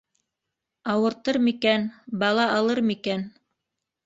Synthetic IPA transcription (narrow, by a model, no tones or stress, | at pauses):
ɑwɤ̆ɾt̪ɤɾmikænbɑlˠɑɑlˠɤɾmikæn